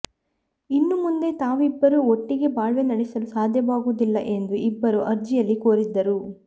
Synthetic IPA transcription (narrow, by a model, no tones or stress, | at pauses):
inːumund̪e̞t̪aːʋuibːɐɾuoʈːiɡe̞baːɭʋe̞ːnɐɽesɐlusaːd̪ʱjɐʋaːɡuːd̪ilːɐʔe̞nd̪uʔibːɐɾuʔɐɾd͡ʒijɐlːikoːɾid̪ːɐɾu